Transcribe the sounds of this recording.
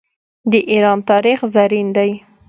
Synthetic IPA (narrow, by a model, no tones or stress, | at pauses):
d̪əʔiɾɑnt̪ɑɾixzaɾind̪aj